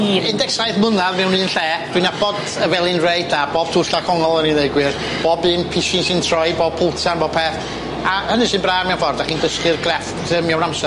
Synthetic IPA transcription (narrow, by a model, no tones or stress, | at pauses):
ɪndɛksajθmʊnaðmɛwniːnɬɛːd̥wɨnabɔd | əvɛlˠɨnrejdab̥ɔːb̥tʰurɬakʰɔŋɔlˠənineɨɡwɨr | b̥ɔːbɨnpʰɪʃɪnsɪntʰrɔjbɔːpʰowtʰanbɔːb̚pʰɛθ | ahənɨʃɨːnbraːmɛwfɔrdaχiːndəskɨrɡrɛftʰəmɛawnamsɛ